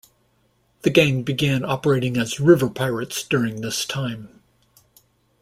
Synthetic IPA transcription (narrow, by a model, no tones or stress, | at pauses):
ðɨɡẽɪ̃mbɨɡæ̃nɑpə˞eɪɾɪ̃ŋɨzɹɪvə˞pʰaɪɹɨtsd̥ʊɹɪ̃ŋðɪstʰãɪ̃m